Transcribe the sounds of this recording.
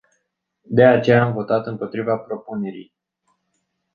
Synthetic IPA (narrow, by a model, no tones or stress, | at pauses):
d̪e̞at͡ʃe̞jaːmvo̞t̪at̪ɨmpo̞t̪ɾivapɾo̞pune̞ɾḭj